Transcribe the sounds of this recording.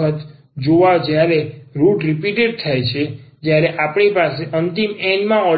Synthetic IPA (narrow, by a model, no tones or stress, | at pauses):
ət̪ | d͡ʒoʋad͡ʒjaɾeɾuʈɾipiʈeɖ̚t̪ʰajt͡ʃʰed͡ʒjaɾeʔapɳipaseʔənt̪imɛnmãɔ